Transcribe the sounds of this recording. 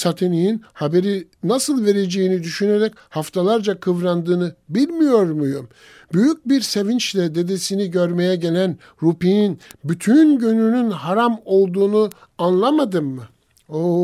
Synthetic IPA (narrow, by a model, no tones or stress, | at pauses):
sat̪ʰe̞nijinhabe̞ɾinasɯlˠve̞ɾe̞d͡ʒe̞jinid̪yʃyne̞ɾɛc | haft̪ʰalˠaɾd͡ʒakʰɯvɾand̪ɯːnɯbilʲmijo̞ɾmujum | byjyc̚biɾse̞vint͡ʃlʲɛd̪e̞d̪e̞siniɟøɾme̞jɛɟe̞lʲæn | ɾupijinbyt̪ʰynɟynynynhaɾamo̞lˠd̪uːnu | anlˠamad̪ɯmːɯ | o